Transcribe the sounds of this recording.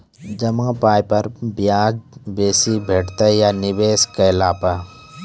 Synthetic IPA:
d͡ʒɐmãːpaːjpɐɾbjaːd͡ʒbeːsibʱeːʈt̪ajanɪbeːskaɪlaːpa

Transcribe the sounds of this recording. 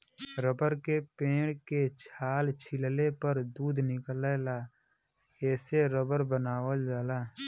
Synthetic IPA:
ɾəbəɾkepẽːɽ̃ket͡ʃʰaːlt͡ʃʰɪllepəɾd̪uːd̪ʱnɪkəleːlaː | ɛːseɾəbəɾbənaːwəld͡ʒaːlaː

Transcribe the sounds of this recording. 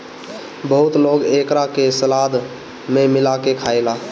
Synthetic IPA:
bəɦut̪loɡekɾakesəlad̪ | memɪlakekʰaela

